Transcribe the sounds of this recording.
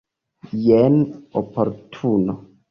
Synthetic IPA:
jɛnopʰoɾtʰuno

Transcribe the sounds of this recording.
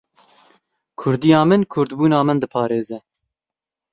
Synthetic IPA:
kʰʊɾd̪ijɑːmɨnkʰʊɾd̪buːnɑːmɨnd̪ɨpʰɑːɾeːzɛ

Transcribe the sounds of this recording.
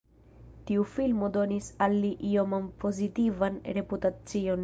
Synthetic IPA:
tiufilmo̞do̞nisalːiʔiomampʰo̞zitivanɾe̞putat͡sio̞n

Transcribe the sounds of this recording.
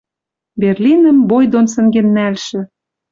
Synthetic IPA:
berlʲinə̆mbojd̪onsɘ̆ŋɡĕnːælʃɘ̆

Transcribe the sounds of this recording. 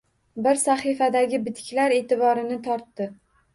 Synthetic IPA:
bɪɾsaχifad̪aɡʲɪbɪt̪kʲlaɾe̞ːt̪ʰɪbɒɾɪnɪt̪ʰɒɾt̪ːɪ

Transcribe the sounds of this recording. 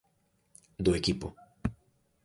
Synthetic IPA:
d̪oekipo

